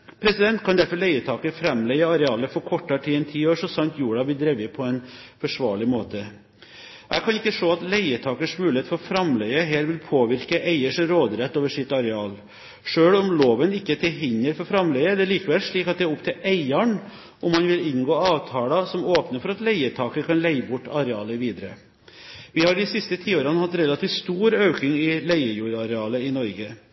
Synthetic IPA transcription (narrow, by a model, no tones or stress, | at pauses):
pʰɾɛsɪd̪ɛnt̪kʰɑnd̪æɾfɔɭæɪət̪ʰɑːkəfɾɛmlɛɪəɑɾɛɑːləfɔɾkʰɔʈːɑʈʰiːɛnt̪ʰiːoːʂɔsɑnt̪juːɖɑb̪ɪd̪ɾɛʋəpʰɔɛnfɔʂʋɑ̰ːɭɪmoːt̪ə | ʔæ̰kʰɑnɪkːəʂoːɑt̪læɪət̪ʰɑːkəʂmʉːlɪheːt̪fɔɾfɾɑmlɛɪəɦɛːɾʋɪlpʰoːʋɪɾkəʔæɪəʂɾoːd̪ɾɛt̪ːoːʋəʂɪt̪ːɑɾɛɑːl | ʂøːɽɔmloːʋənɪkːət̪ʰɪlɦɪɲːəɾfɔɾfɾɑmlɛɡəæd̪ɛliːkəʋɛlʂɭiːkɑt̪̚d̪ɛæːɾʊpt̪ʰɪlʔæɪəɳ | ʔɔmɑnʋɪlɪnɡoːɑːʋt̪ʰɑːlɑsɔmoːpnəɾfɔɾɑt̪læɪət̪ʰɑːkəkʰɑnlæɪbʊʈːɑɾɛɑːləʋiːd̪əɾə | ʋɪhɑɾɖɪsɪst̪ət̪ʰiːoːɾənəhɑt̪ːɾɛlːɑt̪ʰiːʋst̪uːɾøʉkɪŋɪlæɪəjuːɾɑɾɛɑːləɪnɔɾɡə